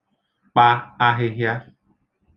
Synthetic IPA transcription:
k͡pa˧a˧ɦe˧ɦja˦

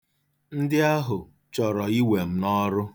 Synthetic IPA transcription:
n̩˦dɪ˦a˦ɦʊ˨ | t͡ʃɔ˨ɾɔ˨i˦we˨m̩˦nɔ˦ɾʊ˦

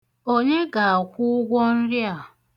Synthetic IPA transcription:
o˦ɲe˦ɡa˨a˨kʷʊ˦ɡʷɔ˦n̩˦ɾja˦˨

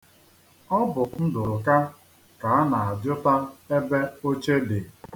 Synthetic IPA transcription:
ɔ˦bʊ˨n̩˦dʊ˨ʊ˨ka˦ | ka˨a˦na˨a˨djʊ˦ta˦e˦be˦o˦t͡ʃe˦de˨

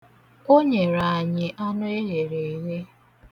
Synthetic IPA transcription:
o˦ɲe˨ɾa˨a˨ɲɪ˨ʔa˦nʊ˦e˦ɣe˨ɾe˨ɦe˦

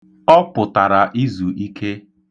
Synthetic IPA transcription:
ɔ˦pʊ˨ta˨ɾa˨ʔi˦zu˨ʔi˦kʰe˦

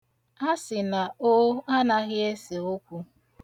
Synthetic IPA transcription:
a˦sɪ˨na˨o˦a˦na˦ɣɪ˦e˦se˨o˦kʷu˦

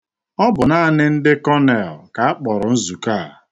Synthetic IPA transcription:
ɔ˦bʊ˨na˦nɪ˦n̩˦dɪ˦kɔ˦ne˨lka˨a˦k͡pɔ˨ɾʊ˨n̩˦zu˨ka˦˨a̰˨

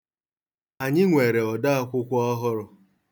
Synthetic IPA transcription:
a˨ɲɪ˦ŋʷe˨ɾe˨ɔ˨da˦a˦kʷʊ˦kʷɔ˦ɦʊ˦ɾʊ˨

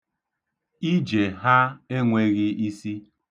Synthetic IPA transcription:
i˦d͡ʒe˨ɦa˦e˦ŋʷe˦ɣɪ˦i˦si˦

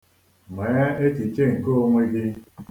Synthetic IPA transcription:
me˨˦a˦e˦t͡ʃi˨t͡ʃe˦˨ŋ̩˨ko˦o˦ŋʷe˦ɡɪ˦

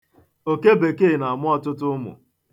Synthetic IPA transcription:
o˨ke˦be˨ke˦˨na˨a˨mʊ˦ɔ˦tʊ˦tʊ˦mʊ̰˨

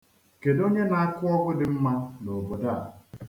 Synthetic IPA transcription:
ke˨do˦ɲe˦na˨a˦kʊ˦ɔ˦ɡʊ˦dɪ˨m̩˦ma˦no˨bo˨da˦˨

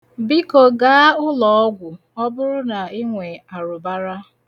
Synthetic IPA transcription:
bi˦ko˨ɡa˦ʊ˦lɔ˨ɔ˦ɡʷʊ˨ | ɔ˦bʊ˦ɾʊ˦na˨i˦ŋʷe˨a˨ɾʊ˨ba˦ɾa˦

